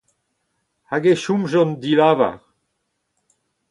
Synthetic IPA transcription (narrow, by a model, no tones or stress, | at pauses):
haɡeʃumʒɔ̃nd̪ilaːva̰ʁ